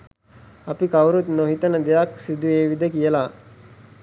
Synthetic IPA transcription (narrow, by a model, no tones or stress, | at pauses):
ɐpikɐwɾut̪noɦit̪ənəd̪ejaksid̪ueːʋid̪ekijəla